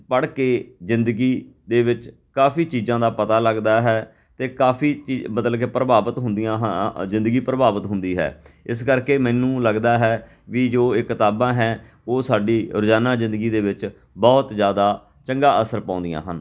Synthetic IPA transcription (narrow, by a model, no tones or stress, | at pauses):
pəɽkeːzɪnd̪əɡiː | d̪eːʋɪt͡ʃ | kaːfʰiːt͡ʃiːzãːd̪aːpət̪aːləɡd̪aːɦɛː | t̪eːkaːpʰiːt͡ʃiːmət̪ləbkeːpɾəbaːbət̪ɦʊ̃nd̪ijãːɦzɪ̃nd̪əɡiːpɾəbaːʋət̪ɦʊnd̪iːɦɛ̰ːɪskəɾkeːmɛːnũːləɡd̪aːɦɛː | ʋiːd͡ʒoːɪkːɪt̪aːbãːɦɛː | oːsaːɖiːɾʊd͡ʒaːnãːzɪ̃nd̪əɡiːd̪eːʋɪt͡ʃ | bɔːt̪zjaːd̪aː | t͡ʃəŋɡaːʔəsəɾpãːnd̪ijã̰ːɦən